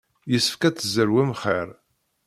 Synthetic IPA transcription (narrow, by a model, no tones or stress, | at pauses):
jəsːə̥fkæt͡sːzəɾwæmχeɾ